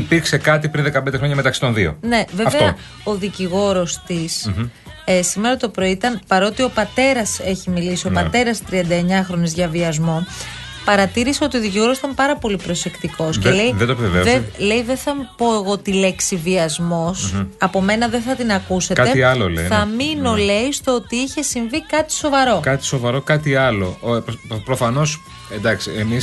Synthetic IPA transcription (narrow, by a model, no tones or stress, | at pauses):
ipiɾkse̞kɐt̪ipɾinðekɐpnd̪e̞xɾoɲɐmet̪ɐksi̥t̪o̞nðio̞̰ne̞veɐfveoɐ | o̞ðiciɣo̞ɾo̞st̪is | esime̞ɾɐt̪o̞pɾo̞it̪ɐnpɐɾo̞t̪io̞pɐt̪e̞ɾɐse̞çimilisio̞pɐt̪e̞ɾɐst̪ɾiɐnd̪ɐeɲɐxɾo̞ne̞zʝɐviɐzmo̞ | pɐɾɐt̪iɾiseo̞t̪ioðiciɣoɾosit̪ɐmpɐɾɐpo̞lipɾo̞se̞kt̪iko̞scelejðed̪opeveðele̞jðeθɐmpo̞e̞ɣo̞t̪ile̞ksiviɐzmo̞sɐpo̞me̞nɐðenθɐt̪inɐkusekɐeiɐlolḛjθɐmino̞le̞ist̪oot̪iiçe̞siɱvikɐt̪i̥so̞vɐɾo̞kɐt̪i̥so̞vɐɾo̞kɐt̪iɐlo̞̰pɾofɐno̞s | end̪ɐksiemis